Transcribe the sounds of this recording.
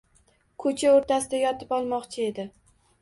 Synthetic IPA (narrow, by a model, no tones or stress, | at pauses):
kʰɵt͡ʃʰaoɾt̪ʰasɪd̪ajɒt̪ʰɪpɒlˠmɒqt͡ʃʰɪe̞d̪ɪ